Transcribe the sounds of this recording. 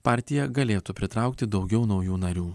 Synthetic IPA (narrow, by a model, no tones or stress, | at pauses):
pɑːˑɾʲt̪ʲɪjɛɡɐlʲeːt̪upʲɾʲɪt̪ɾɑˑʊkt̪ʲɪd̪ɒʊɡʲɛʊnɒʊjuːnɐɾʲuː